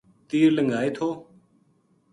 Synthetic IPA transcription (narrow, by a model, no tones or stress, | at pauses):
t̪iːɾləŋɡaːeːt̪ʰoː